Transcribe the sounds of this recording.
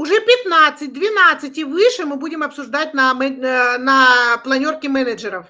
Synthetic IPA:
ʊʐɛpʲɪt̪nat̪sɨt̚ʲd̪vʲɪnat̪sɨtʲivɨʂɨmɨbudʲɪmɐpsʊʐd̪at̚ʲnɐmɛnɐplˠɐnʲo̞rkʲɪmɛnəd͡ʒɨɾəf

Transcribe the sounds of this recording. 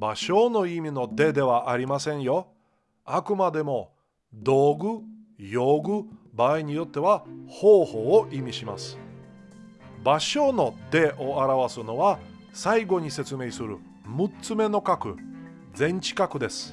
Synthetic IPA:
baɕo̞no̞imʲino̞d̪e̞d̪e̞βaʔaɾʲimasẽ̞ɰ̃jo̞ | akɯ̟mad̪e̞mo̞ | d̪o̞ːɡɯ̟jo̞ːɡɯ̟baːiɲ̟ijo̞t̪ːe̞βahoːho̞ːʔimʲiɕima̰sɨ̥ | baɕo̞no̞d̪e̞ʔo̞aɾaβasɨno̞βa | saiɡo̞ɲ̟ise̞t͡sɨme̞ːsɨɾɯ̟ | mɯ̟t͡sɨme̞no̞kakɯ̟̰ | d͡zẽ̞ɲ̟t͡ɕi̥kakɯ̟d̪e̞sɨ̥

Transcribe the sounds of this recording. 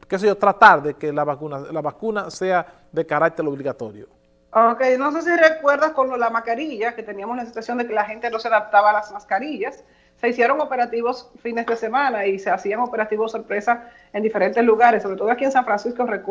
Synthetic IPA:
kes̬eʝot̪ɾat̪aɾðekelaβakunalaβakunase̞a | ðekaɾak̚t̪eɾoβliɣat̪oɾjo̰ | okejno̞s̬e̞s̬irekwe̞ɾðaskonolamaskaɾiʝake̞t̪e̞niamoslasensasjo̞nd̪e̞kelaxe̞nt̪e̞no̞seaðap̚t̪aβaːlasmaskaɾiʝasː | e̞isje̞ɾo̞ŋo̞peɾat̪iβo̞sfine̞zðe̞se̞mãnaise̞asiaŋo̞pe̞ɾat̪iβoso̞ɾpɾe̞sa | e̞nd̪ife̞ɾe̞nt̪esluɣaɾesːo̞βɾet̪o̞ðoakiensaɱfɾansiskorek

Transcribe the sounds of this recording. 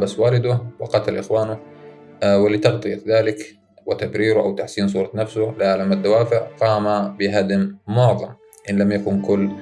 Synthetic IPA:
baswaːlɪd̪ʊwɪqɑt̪alʔɪxwaːnʊ | wɪlɪt̪ɑɣt̪ˤɨjaðaːlɪk | wɪt̪abɾiːɾʊʔawt̪aħsiːns̬ˤuːɾˤɑnafsʊlʕalamad̪ːawaːfɪʕqɑːmabɪɦad̪mmʊʕðˤɑ̰m | ʔɪnlamjakʊnkʊlː

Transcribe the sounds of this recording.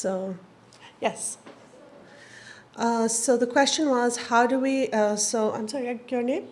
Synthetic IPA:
soʊ | jɛs | ʔʌsoʊðəkʰw̥ɛst͡ʃə̃nwʌz̥haʊdɨwiʔʌsoʊʔã̰ɪ̃msɑɹiaɡə˞nẽɪ̃m

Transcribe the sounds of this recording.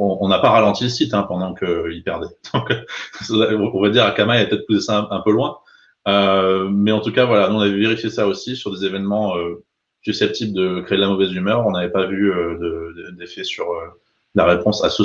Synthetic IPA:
ɔ̃ʔːnapaʁalɑ̃t̪iləsit̪ɛ̃pɑ̃d̪ɑ̃kʰəilpɛʁd̪ɛd̪̥ɔ̃ksãɔ̃vad̪iʁakamailapət̪ɛt̪χpusesaɛ̃ɛ̃pølwɛ̃ | ømɛɑ̃t̪ukavwalanuɔ̃navɛveʁifjesaosisyʁd̪ezevɛnmɑ̃ø | sysɛp̚t̪ʰibld̪əkχeːd̪lamɔvɛzymœʁɔ̃navɛpavyød̪əd̪əd̪efɛsyʁø | laʁepɔ̃sasə

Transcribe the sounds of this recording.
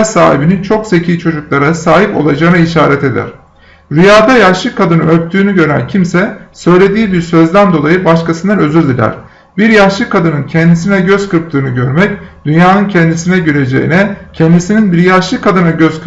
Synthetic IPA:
saːhibinint͡ʃʰo̞ksecʰiːt͡ʃʰo̞d͡ʒuklˠaɾasaːɦipo̞̰lˠad͡ʒaːɯnaiʃaːɾɛt̪e̞d̪æ̰ɾ̥ | ɾyjaːd̪ajaʃlˠɯkʰːad̪ɯnɯøp̚t̪ʰyːnyɟø̞ɾæ̰ncʰimsɛsø̞jlʲe̞d̪iːbiɾsø̞zd̪ænd̪o̞lˠajɯbaʃkasɯnd̪anø̞zylʲd̪ilʲæ̰ɾ̥ | biɾjaʃlˠɯkʰːad̪ɯnɯncʰɛnd̪is̬inɛɟø̞zkɯɾp̚t̪ˠɯːnɯɟø̞ɾmɛcd̪̥ynjaːnɯncʰɛnd̪isinɛɟøɾe̞d͡ʒḛjḭnɛcʰɛnd̪isininbiɾjaʃlˠɯkʰad̪ɯnaɟøzkʰɯ

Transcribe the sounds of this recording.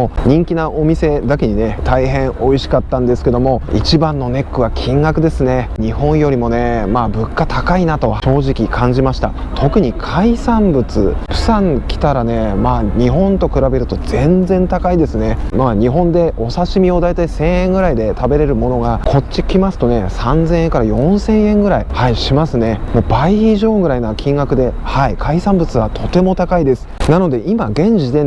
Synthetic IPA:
oɲ̟ĩŋkʲinaʔo̞mʲise̞d̪akʲeɲ̟ine̞t̪ʰaiɦẽ̞ɰo̞iɕi̥kat̪ːãnd̪e̞sɨ̥ke̞d̪o̞mo̞ḭt͡ɕibãnːo̞ne̞kːɯ̟βakʲʰĩŋɡakɯ̟d̪e̞sɨne̞ɲ̟ihõ̞ɰ̃jo̞ɾʲimo̞ne̞maːbɯ̟kːat̪akainat̪o̞ɕo̞ːʑikʲikʰãɲ̟d͡ʑimaɕi̥t̪a̰ | t̪ʰo̞kɯ̟ɲ̟ikʰaisãmbɯ̟t͡sɨ̰pɯ̟̥sãŋkʲi̥t̪aɾane̞maːɲ̟iɦõ̞nt̪o̞kɯ̟ɾabe̞ɾɯ̟t̪o̞d͡zẽ̞nd͡zẽ̞nt̪akaid̪e̞sɨne̞maːɲ̟iɦõ̞nd̪e̞ʔo̞saɕimʲio̞d̪ait̪aisẽ̞ɰ̃ẽŋɡɯ̟ɾaid̪e̞t̪abe̞ɾe̞ɾɯ̟mo̞no̞ɡakʰo̞t͡ɕikʲimasɨ̥t̪o̞ne̞sãnzẽɰ̃eŋkaɾajõ̞ɰ̃sẽ̞ɰ̃ẽ̞ŋɡɯ̟ɾaihaiɕimasɨne̞mo̞ːbaiiʑo̞ːɡɯ̟ɾainakʲʰĩŋɡakɯ̟d̪e̞haikʰaisãmbɯ̟t͡sɨβat̪ʰo̞t̪e̞mo̞t̪akaid̪e̞sɨ̥nano̞d̪e̞ʔimaɡẽ̞ɲ̟d͡ʑid̪e̞

